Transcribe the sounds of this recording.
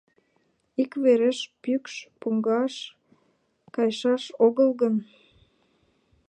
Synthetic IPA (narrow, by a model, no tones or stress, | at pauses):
ikβeɾeʃpykʃpuŋɡɑʃ | kɑjʃɑʃoɣəlɣən